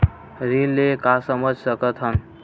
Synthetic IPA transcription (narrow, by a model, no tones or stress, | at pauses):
ɾinːekasəməd͡ʒʱsəkət̪ʰɦən